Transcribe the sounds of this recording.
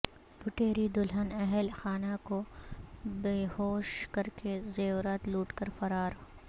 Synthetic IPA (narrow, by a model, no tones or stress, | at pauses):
lʊʈeːɾid̪ʊlɦənɛɦɛlxaːnako | beːɦoːʃkɐɾkezɐjoːɾət̪luːʈkɐɾfɐɾaːɾ